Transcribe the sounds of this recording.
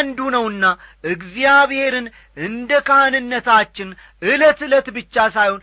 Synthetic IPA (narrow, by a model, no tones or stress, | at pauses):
nd̪unəwɨnːaʔɨɡzijaβhe̞ɾɨn | ʔɨnd̪əkʰahanɨnːət̪ʰat͡ʃːɪn | ʔɨlət̪ɨlət̪bɨt͡ʃːasajhon